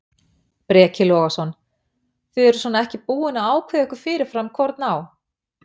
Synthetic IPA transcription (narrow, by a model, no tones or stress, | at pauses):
pɾɛːcɪlɔːɣasɔn | θvʏðɛɾʏ̥svɔːnaɛhcɪpuːɪnaaːwkʰvɛɛhkʏɾ̥fɪːɾɪɾ̥fɾamkʰvɔɾt̪naːw